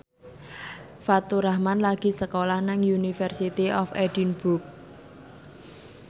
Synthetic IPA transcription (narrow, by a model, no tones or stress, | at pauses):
fat̪uɾahmanlaɡ̥i̤səkolahnaŋjunifɛrsit̪iɔfɛdinbuk̚